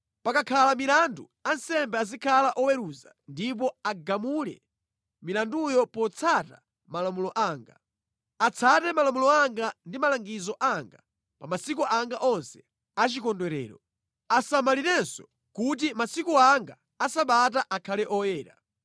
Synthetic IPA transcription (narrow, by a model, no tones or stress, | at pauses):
pakakʰalamilandu | ansɛmbɛazikʰalaʔɔwɛɾuza̰ | ndip̬ɔaɡamulɛ̰ | milandujɔpɔt͡sʰata̰ | malamulɔʔaːŋɡa̰ | at͡sʰatɛmalamulɔaŋɡandimalaŋɡizɔʔaŋɡa̰ | pamasikuʔaŋɡaʔɔnsɛ̥ | at͡ʃikɔndwɛɾɛ̰ːɾɔ | asamaliɾɛnsɔ | kut̬imasikuaŋɡa | asaɓat̬aʔakʰalɛʔɔjɛːɾa̰